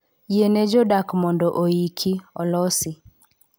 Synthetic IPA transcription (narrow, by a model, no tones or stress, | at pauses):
jened͡ʒodakmɔndɔʔoikʰiɔlɔsɪ